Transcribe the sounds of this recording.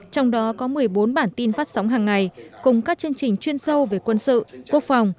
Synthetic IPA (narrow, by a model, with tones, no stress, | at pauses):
t͡ɕɔ˧wŋ͡mɗɔ˨˦kɔ˨˦mɨ˨˩əjɓo˨˦nɓaː˧˩nt̪i˧nfaː˦˥t̚sa˨˦wŋ͡mɦaː˨˩ŋːa˨˩jkʊ˨˩ŋ͡mkaː˦˥k̚t͡ɕɨ˧əŋt͡ɕï˨˩ŋ̟t͡ɕwi˧ənsə˧wve˨˩kwə˧nsɨ̰˧˨ku˦˥ək̚fa˨˩wŋ͡m